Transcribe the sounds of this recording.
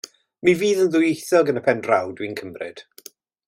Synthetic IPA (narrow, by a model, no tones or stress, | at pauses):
miviːðənðʊjejθɔɡənəpʰɛndrawdwinkʰəmrɪ̰d̥